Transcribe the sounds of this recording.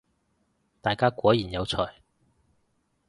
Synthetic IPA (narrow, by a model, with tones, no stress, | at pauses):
t̪aː˨jkaː˥kʷɔː˨˥jiː˨˩njɐ˨˧wt͡sʰɔː˨˩j